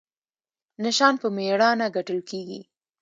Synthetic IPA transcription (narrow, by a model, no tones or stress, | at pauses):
naʃɑnpəmeɽɑnaɡaʈəlkeɡḭ